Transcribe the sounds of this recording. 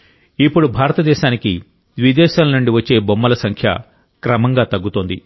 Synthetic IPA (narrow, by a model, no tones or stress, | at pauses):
ipːuɽubʱaːɾɐt̪ɐd̪ɛːʃaːniki | d̪ʋid̪ɛːʃaːlɐnuɳɖiʋɐt͡ʃːe̞ːbomːɐlɐsɐŋkʰjɐ̰ | kɾɐmɐŋɡaːt̪ɐɡːut̪oːnd̪ḭ